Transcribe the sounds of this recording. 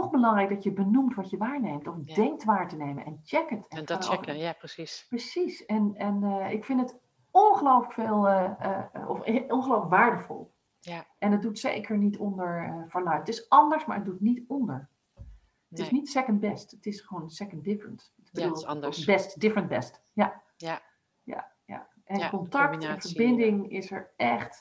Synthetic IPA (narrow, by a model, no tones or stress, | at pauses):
tɔχbəlɑŋrɛjk̚dɑtjəbənumtʋɑtjəʋaːɹnejmtɔfddɛŋk̚tʋaːɹtənejmə̰nʔɛnt͡ʃɛkətʰɛ̃nf | prəsisɛnɛnɪkfɪntət | ɔnχəlowfləkfeːlˠəəɔ̰fɔnχəlowfləkʋaːɹdəfɔ̰lˠ | ʔɛnət̚dutsḛjkʰəɹnitɔndəɹəfəɹlœɥətɪsɑndəɹsmaːɹət̚dutnitɔndəɹ | ətɪsnitsɛkəntbɛstətɪsχəʋonsɛkəndɪfɹənt | tɪb̥ədulˠbɛstdɪfɹənbɛ̰st | ja | ja̰ | ja̰ | ʔɛnkɔntɑktɛnvəɹbɪndɪŋɪsəɹʔɛχt